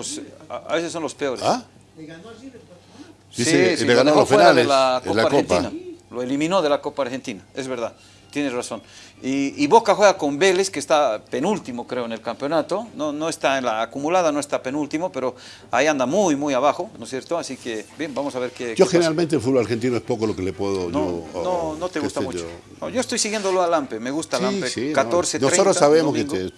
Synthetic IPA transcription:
posa̰βesesːo̞nlo̞spe̞o̞ɾea | siiesieɣanolofinaalðelakolaaɾotp̪inaloelimĩno̞ðe̞lako̞paːɾxe̞nt̪inae̞zβe̞ɾðað | t̪jeneraso̞niːβo̞kaxwe̞ɣako̞mbe̞le̞skeːst̪ape̞nult̪imo̞kɾeoene̞lkampjo̞nat̪o̞nono̞est̪aenlaːkumulað̞anoest̪ape̞nult̪imo̞pe̞ɾo | aiand̪amujmujaβaxo̞nosje̞ɾt̪oasikebjembamo̞saβe̞ɾkeoxeneɾalmẽnt̪elfud̪βolaɾxent̪inoespokolokelepweðoʝnononot̪eɣust̪amut͡ʃo | no̰ʝo̞est̪ojsiɣjend̪oloalampemeɣust̪alampesikat̪oɾsetnsɾet̪ɾot̪saβemoseŋ

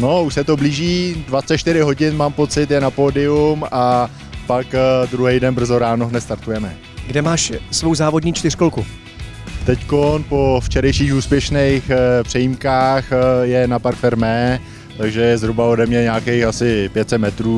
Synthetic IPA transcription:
no̞uʃsɛt̪o̞bliːʒiːdvat͡sɛt͡ʃt̪ɪɾɪɦo̞ɟɪnmaːmpo̞t͡sɪt̪jɛnapo̞ːdɪuma | pakdɾuɦɛjdɛnbr̩zo̞ɾaːnoɦnɛt̪st̪aɾt̪ujɛmɛ | ɡdɛmaːʃsvowzaːvo̞dɲiːt͡ʃt̪ɪr̥kolku | t̪ɛckonpo̞ft͡ʃɛɾɛjʃiːxuːspjɛʃnejxpr̝̥ɛjimkaːxjɛnapaɾfɛɾmɛː | t̪aɡʒɛjɛzɦɾubao̞dɛmɲɛɲaːkejxasɪpjɛt̪sɛt̪mɛt̪ɾuː

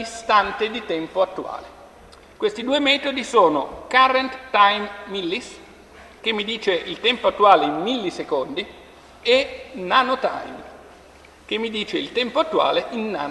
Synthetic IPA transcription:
ist̪ant̪ed̪it̪ɛmpoat̪ːua̰ːle | kwest̪id̪uːemɛːt̪od̪isoːnokaɾent̪t̪ajmmilːis | k̟emːid̪iːt͡ʃeilt̪ɛmpoat̪ːuaːleimːilːisekond̪i | enanot̪a̰jm | k̟emːid̪iːt͡ʃeilt̪ɛmpoat̪ːua̰ːleʔinːa̰ːn

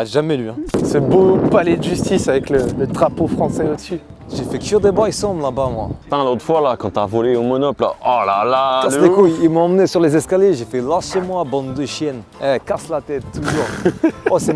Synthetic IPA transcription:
ʁɛʒamɛlɥiɛ̃səbopalɛd̪əʒyst̪isavɛklələt̪ʁapofχɑ̃sɛod̪əsy | ʒefɛkjød̪ebaʁisɑ̃blabamwa̰t̪ɛ̃lot̪χfwalakɑ̃t̪yavɔleomɔnɔpla̰ɔlalaaekujilmɔɑ̃mnesyʁlezɛskaljeʒefɛlaʁʃemwabɑ̃d̪ːəʃjɛnɛkaslat̪ɛt̪ːuʒuːʁɔsɛ

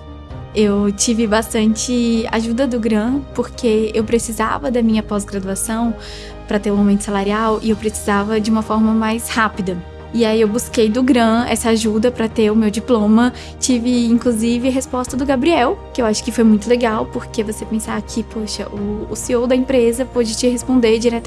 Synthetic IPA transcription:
ewt͡ʃivɪbast̪ɐ̃nt͡ʃɪa̰ʒud̪ɐd̪ʊɡɾɐ̃poɾkeewpɾesiza̰vɐd̪ɐmĩɲɐpɔzɡɾad̪uasɐ̃w̃ | pɾɐt̪eɾʊ̃awmẽnt̪ʊsalaɾiawɪewpɾesizavɐd͡ʒɪũmɐfɔɾmɐmajshapid̪ɐ | ɪaiewbuskejd̪ʊɡɾɐ̃ɛ̰sɐaʒud̪ɐpɾɐt̪eɾʊmewd͡ʒiplõmɐ | t͡ʃivɪĩŋkluzivɪɦespɔst̪ɐd̪ʊɡabɾiɛwkɪewaʃʊ̥kɪfojmũj̃t̪ʊleɡawpoɾkevosepẽsakʰɪpoʃɐʔʊːsiowd̪ɐĩpɾezɐpod͡ʒɪt͡ʃɪɦespõnd̪eɾd͡ʒiɾɛt̪ɐ

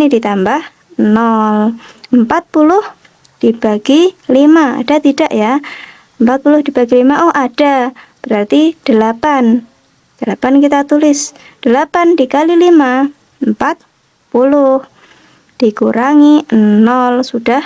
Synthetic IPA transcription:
nidit̪ambah | nɔləmpat̪̚pulʊh | d̥ib̥aɡilimaa̰d̥at̪idaʔja | əmpat̪̚pulʊhdibaɡilimaʔɔhʔad̥ab̥əɾart̪id̥əlapan | d̥əlapankit̪at̪ulɪsd̥əlapandikalilima | əmpat̪̚ | pulʊh | d̥ikuɾaŋinɔlsud̥ah

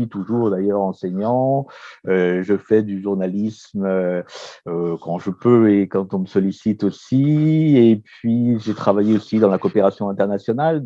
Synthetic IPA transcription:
ɥit̪uʒuʁd̪ajœʁɑ̃sɛɲɑ̃ | øʒəfɛd̪yʒuʁnalismø | økɑ̃ʒəpøekɑ̃t̪ɔ̃məsɔlisit̪osiepɥiʒet̪χavajeosid̪ɑ̃lakɔpeʁasjɔ̃ɛ̃t̪ɛʁnasjɔnal

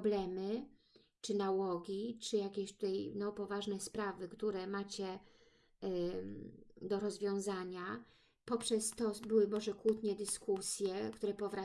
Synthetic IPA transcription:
blɛmɘ | t͡ʂɘnawɔɡʲit͡ʂɘjakʲeɕt̪u̥t̪ajnɔpɔvaʐnɛspɾavɘkt̪uɾɛmat͡ɕɛ | d̪ɔɾɔzvʲjɔ̃w̃zaɲa | pɔpʂɛst̪ɔbɘwɘmɔʐɛkwut̪ɲɛd̪ɘskusʲjɛkt̪uɾɛpɔvɾa

